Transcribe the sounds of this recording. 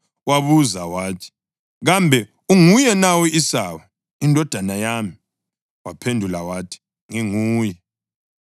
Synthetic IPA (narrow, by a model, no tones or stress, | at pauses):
waβuzawaːtʰi̥ | ɣambʱɛ | uŋujɛnawɔisawa | indʱɔd̥ʱanajami | wapʰendʱulawatʰi̥ | ŋiŋuːjɛ